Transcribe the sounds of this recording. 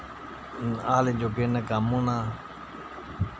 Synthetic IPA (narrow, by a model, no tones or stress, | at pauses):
aːled͡ʒoːkeːnəkaːmunãː